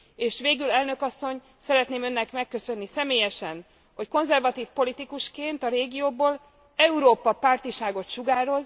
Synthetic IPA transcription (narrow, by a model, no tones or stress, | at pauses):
eːʃʋeːɡylɛlnø̞kɒsːo̞ɲ | sɛɾɛt̪neːmø̞nːɛkmɛkːøsø̞nːisɛmeːjɛʃɛn | hocko̞nzɛrvɒt̪iːfpo̞lit̪ikuʃkeːnt̪ɒɾeːɡijoːboːl | ɛuɾoːpɒpaːrt̪iʃaːɡo̞t̪ʃuɡaːɾo̞z